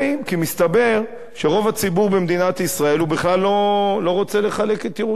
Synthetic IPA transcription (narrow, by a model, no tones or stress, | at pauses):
imkimist̪abe̞ʁ | ʃe̞ʁo̞vat͡sibuʁbemd̪inat̪isʁae̞lubiχlalːo̞lo̞ʁo̞t͡se̞le̞χale̞ket̪jeʁu